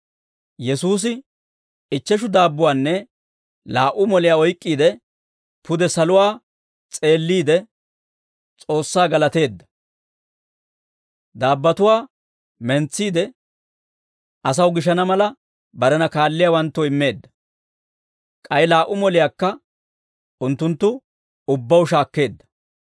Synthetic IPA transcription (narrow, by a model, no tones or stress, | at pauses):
jɛsuːs̬ɪ | ɪt͡ʃːɛʃ̬ʊd̪aːbːʊwaːnːɛ | laːʔʊmɔlɪjaːɔjkʼːiːd̪ɛ | pʊd̪ɛsɐlʊwaː | t͡sʼe̞ːlːiːd̪ɛ | t͡sʼo̞ːsːaːɡɐlɐt̪e̞ːd̪ːɐ̥ | d̪aːbːɐt̪ʊwaː | mɛnt͡sːiːd̪ɛ | ʔɐs̬ɐwɡɪʃ̬ɐnɐmɐlɐ | bɐɾɛnɐkaːlːɪjaːwɐnt̪ːɔɪmːe̞ːd̪ːɐ̥ | kʼɐjlaːʔːʊmɔlɪjaːkːɐ | ʊnt̪ːʊnt̪ːʊ | ʊbːɐwʊʃ̬aːkːe̞ːd̪ːɐ̥